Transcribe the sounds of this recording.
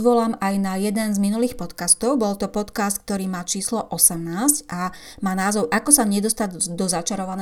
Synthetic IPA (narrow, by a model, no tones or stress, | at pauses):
ʋɔlamajnajɛd̪ɛnzminuliːxpɔt̪kast̪ɔʊbɔlt̪ɔpɔt̪kaːst̪̚k̚t̪ɔɾiːmaːt͡ʃiːslɔʔɔsɛmnaːsca | maːnaːzɔʊʔakɔsaɲɛd̪ɔst̪aɟd̪ɔzat͡ʃaɾɔʋanɛ